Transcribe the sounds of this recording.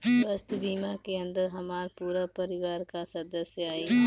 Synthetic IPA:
bəst̪biːmakeɐ̃nd̪əɾɦɐmaːɾpuːɾapɐɾɪʋaːɾkasɐd̪əsjəaːiː

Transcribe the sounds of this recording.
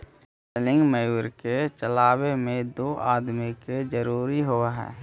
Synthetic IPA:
səlɪ̃ŋɡməjuːɾket͡ʃəlaːwemẽd̪oːʔaːd̪miked͡ʒəɾuːɾiɦoaɦɛ̰ː

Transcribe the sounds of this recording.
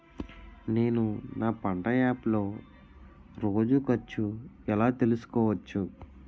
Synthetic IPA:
ne̞ːnunaːpɐɳɖɐjaːplo̞ː | ɾo̞ːd͡ʒukɐt͡ʃːuɛlaːt̪e̞lusu̥kɔːʋɐt͡ʃːu

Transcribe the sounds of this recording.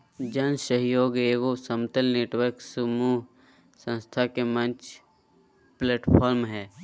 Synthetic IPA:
d͡ʒənsəɦjoːɡeːɡosəmt̪əlneːʈwəɾksəmuɦ | sə̃nst̪ʰakemə̃nt͡ʃ | pleːʈpʰɔːɾmɦɛː

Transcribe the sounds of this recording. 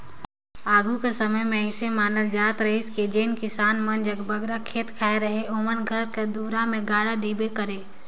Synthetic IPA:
aːɡʱukesəməjmẽɪsemaːnəld͡ʒaːt̪ɾəɦeɪsked͡ʒeːnkɪsaːnmənd͡ʒəɡbɐɡɾakʰeːt̪kʰaːeɾəɦeomənɡʱəɾked̪uːɾamẽɡaːɽad̪iːbekəɾeː

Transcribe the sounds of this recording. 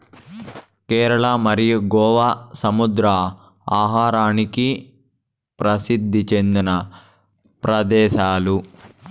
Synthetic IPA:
kɛːɾɐɭɐmɐɾijuɡɔːʋasɐmud̪ɾa | aːɦaːɾaːniki | pɾɐsid̪ʱːit͡ʃend̪inɐ | pɾɐd̪ɛːʃaːlu

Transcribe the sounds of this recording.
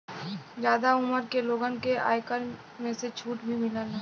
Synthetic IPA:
d͡ʒjaːd̪aʊməɾkeloːɡənkea̰ːjkəɾ | mẽset͡ʃʰuːʈbʱimɪlaːna

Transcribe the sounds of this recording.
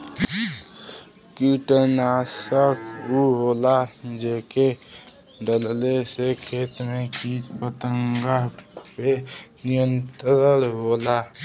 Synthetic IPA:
kuʈənasəkuɦolad͡ʒeke | ɖəllesekʰet̪mekit͡ʃpət̪əŋɡaɦpenijənt̪ɾəlɦola

